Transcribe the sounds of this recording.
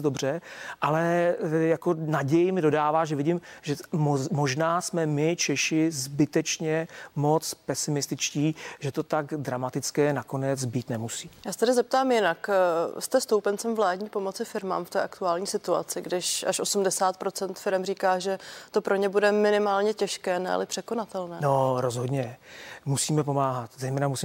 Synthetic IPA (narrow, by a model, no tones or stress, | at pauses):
do̞br̝ɛʔalɛjako̞naɟɛjɪmɪdo̞daːvaːʒɛvɪɟɪmʒɛmmo̞ʒnaːsmɛmɪt͡ʃɛʃɪzbɪt̪ɛt͡ʃɲɛmo̞t͡spɛsɪmɪst̪ɪt͡ʃciːʒɛt̪o̞t̪aɡdɾamat̪ɪt͡skɛːnako̞nɛd͡zbiːt̪nɛmusi̥ːjaːsɛ̥t̪ɛdɪzɛp̚t̪aːmjɪnakst̪ɛst̪owpɛnt͡sɛmvlaːdɲiːpo̞mo̞t͡sɪfɪɾma̰ːmft̪ɛ̰ːʔakt̪uaːlɲiːsɪt̪ua̰t͡sɪɡdɪʃʔa̰ʃʔo̞sumdɛsaːt̪̚pɾo̞t͡sɛnt̪fɪɾɛmriːkaːʒɛt̪o̞pɾo̞ɲɛbudɛmɪnɪmaːlɲɛcɛʃkɛːnɛ̰a̰lɪpr̥ɛkonat̪ɛlnɛːnoɾozɦodɲɛmusiːmɛp̬omaːɦat̪zɛjmɛːnamusiː